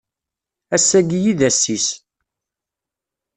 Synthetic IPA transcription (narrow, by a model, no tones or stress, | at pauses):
æsːæɡjiðæsːis